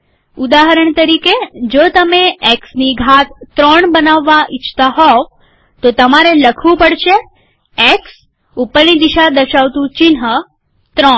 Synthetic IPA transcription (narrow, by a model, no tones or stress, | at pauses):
ud̪aɦəɾəɳt̪əɾiked͡ʒot̪əmeeksniɡʱat̪̚t̪ːɾɔɳbənaʋːaʔɪt͡ʃʰt̪aɦɔ | t̪ot̪əmaɾeləkʰʋũpəɽʃe | eks | upːəɾnid̪iʃad̪əɾʃaʋt̪ũt͡ʃinɦə | t̪ɾɔɳ